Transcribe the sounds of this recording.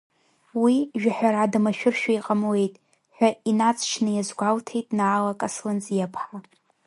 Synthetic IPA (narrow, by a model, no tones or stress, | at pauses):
wiʒᶣaħʷᶣaɾadamaʃᶣʊrʃᶣaiqʼamwe̞jtʼ | ħʷᶣainat͡sʼʰt͡ʃʰnɨjazɡʷaltʰe̞jtʼnaːlakʼaslɨnt͡sʼjapʰħa